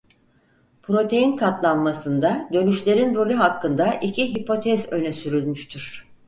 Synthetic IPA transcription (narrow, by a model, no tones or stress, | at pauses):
pʰɾo̞t̪ʰe̞jinkʰat̪lˠanmasɯnd̪ad̪ø̞nyʃlʲe̞ɾinɾo̞lʲyɦakːɯnd̪aʔicʰiɦipʰo̞t̪ʰɛzø̞nɛsyɾylʲmyʃt̪ʰyɾ̥